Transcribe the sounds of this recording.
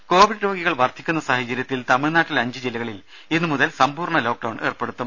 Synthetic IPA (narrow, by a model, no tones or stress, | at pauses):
ko̞ːʋiɽɾo̞ːɡiɣɐɭʋɐrt̪ʰikʲːunːɐsaːhɐt͡ɕːɐɾjɐt̪ːilt̪ɐmiɭnaːʈːilɐɲd͡ʑɨd͡ʑilɐɣɐɭil | inːɨmuðɐlsɐmpuːrɳɐlo̞ːk̚ɖɐwɳe̞ːrpe̞ɽut̪ːum